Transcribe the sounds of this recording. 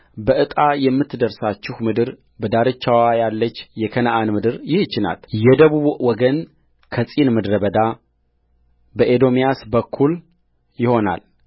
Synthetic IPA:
bəʔɨt̪ʼajɛmːɨt̪ːd̪əɾsat͡ʃːɪhmɨd̪ɨɾ | bəd̪aɾɨt͡ʃːawajalːət͡ʃːjɛkʰənaʔanmɨd̪ɨɾjɪht͡ʃːɪna̰ljɛd̪əβuβwɔɡən | kʰəsʼinmɨd̪ɾəbəd̪a | bəʔed̪o̞mijasbəkʰːul | jɪho̞na̰l

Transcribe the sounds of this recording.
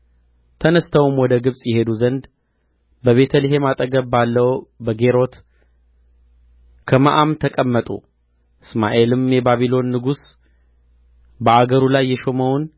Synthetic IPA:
t̪ʰənəst̪ʰəwumwɔd̪əɡɨβsʼjɛhe̞d̪uzənd̪ | bəβe̞t̪ʰəlɨɦe̞mat̪ʼəɡəβbalːəwbəɡe̞ɾo̞t̪ | kʰəma̰ʔamt̪ʰəkʼəmːət̪ʼṵ | ɨsmaʔe̞lɨmjɛbaβilo̞nːɨɡus | bəaɡəɾulajːɛʃo̞məwʊn

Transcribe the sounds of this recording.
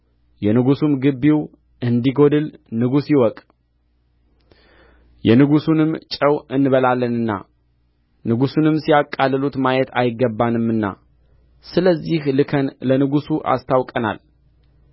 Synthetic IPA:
jɛnɨɡusumɡɨbːiw | ɨnd̪iɡo̞d̪ɨlnɨɡusjɪwɔkʼ | jɛnɨɡusunɨmt͡ʃʼəwɨnːɨβəlalːənɨnːa̰ | nɨɡusunɨmsijakʼːalːɨlut̪majɛt̪ʰajɪɡːəbːanɨmːɨnːa̰ | sɨləzːihlɨkʰənlənɨɡusuʔa̰st̪ʰawkʼəna̰l

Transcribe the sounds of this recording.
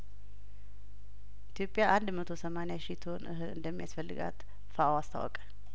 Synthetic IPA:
ʔit̪ʰijo̞pʼːjaʔand̪mət̪ʰo̞səmanejaʃit̪ʰo̞nʔɨ̰ɦɨlɨ̰nd̪əmːijasfəlːɨɡa̰t̪ | faʔawast̪ʰa̰wɔ̰kʼə̥

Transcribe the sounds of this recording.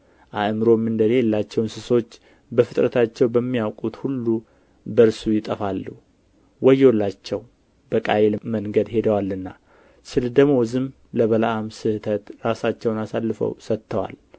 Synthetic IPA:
ʔaʔmɾo̞mɨnd̪əlejɛlːat͡ʃːɛwnsɨso̞t͡ʃː | bəfɨt̪ʼɾət̪ʰat͡ʃːɛwbəmːijawkʼut̪hulːu | bəɾsujɪt̪ʼəfalːu | wɔjːwlːat͡ʃːɛw | bəkʼajelməŋɡəd̪he̞d̪əwalːɨnːa | sɨld̪əmːozɨm | ləβəlaʔamsɨhɨt̪ʰət̪ɾasat͡ʃːɛwnasalːɨfə̰wsət̪ʰːəwa̰l

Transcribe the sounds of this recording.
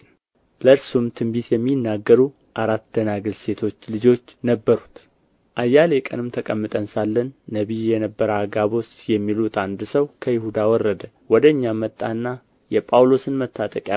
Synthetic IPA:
ləɨɾsumt̪ʰɨmbit̪jɛmːinːaɡːəɾu | ʔaɾat̪d̪̥ənaɡɨlse̞t̪ʰo̞t͡ʃːlɨd͡ʒo̞t͡ʃːnəbːəɾut̪ | ʔajːalekʼə̰nɨmt̪ʰəkʼəmːɨt̪ʼənsalːənːəβijɛnəbːəɾaɡaβo̞sjɛmːilut̪and̪səwkʰəjɪhud̪awɔrːəd̪ə | wɔd̪əɨɲːamət̪ʼːanːa | jɛpʼawlo̞sɨnmət̪ʰːat̪ʼəkʼja

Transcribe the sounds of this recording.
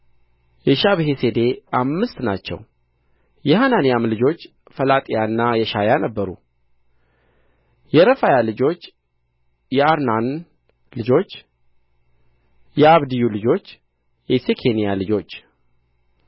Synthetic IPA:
jɛʃaβɦese̞d̪e̞ʔamːɨst̪nat͡ʃːɛ̰w | jɛhananijamlɨd͡ʒo̞t͡ʃː | fəlat̪ʼijanːajɛʃajanəbːəɾṵ | jɛɾəfajalɨd͡ʒo̞t͡ʃː | jɛaɾnan | lɨd͡ʒo̞t͡ʃː | jɛaβd̪ijulɨd͡ʒo̞t͡ʃː | jɛsekʰe̞nijalɨd͡ʒo̞t͡ʃː

